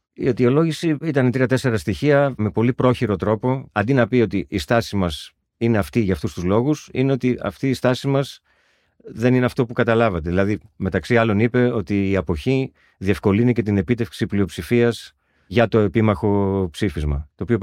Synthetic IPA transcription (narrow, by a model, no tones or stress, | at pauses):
iɐt̪io̞lo̞ʝisiit̪ɐnet̪ɾiɐt̪e̞se̞ɾɐst̪içiɐme̞po̞lipɾo̞çiɾo̞t̪ɾo̞po̞ɐnd̪inɐpio̞t̪iʔist̪ɐsimɐs | ine̞ɐft̪iʝɐft̪ust̪uzlo̞ɣusine̞o̞t̪iɐ̰ft̪iːst̪ɐsimɐz | ðe̞nine̞ɐft̪o̞pukɐt̪ɐlɐvɐt̪eðilɐðime̞t̪ɐksiɐlo̞nipe̞o̞t̪iːɐpo̞çi | ðiefko̞linice̞t̪ine̞pit̪e̞fksiplio̞psifiɐs | ʝɐt̪o̞e̞pimɐxo̞psifizmɐ̰t̪o̞ːpio̞